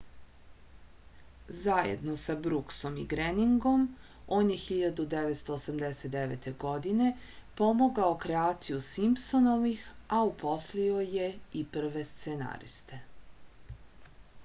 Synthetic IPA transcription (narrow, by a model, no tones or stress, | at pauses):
zajḛd̪no̞sabɾukso̞mḭɡɾeniŋɡo̞m | o̞ːnjexiʎad̪ud̪eʋet̪st̪oːsamd̪eset̪̚d̪eʋḛt̪ʰeɡo̞d̪ine̞ | po̞moɡaokɾeaːt̪sijusimpsono̞ʋixaupʰo̞slio̞je̞ipr̩ʋe̞st̪sena̰ɾḭst̪e̞